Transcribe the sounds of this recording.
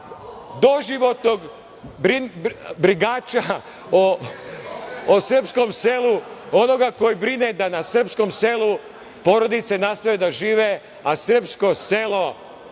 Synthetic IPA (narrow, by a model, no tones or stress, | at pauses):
d̪o̞ʒiʋo̞t̪noɡ | bɾibɾiɡaːt͡ʃa | o | osr̩psko̞mseluo̞no̞ɡako̞jibɾined̪anasr̩psko̞mse̞lˠu | po̞ɾo̞d̪it̪se̞nast̪aʋed̪aʒiːʋe | asr̩psko̞se̞lˠo̞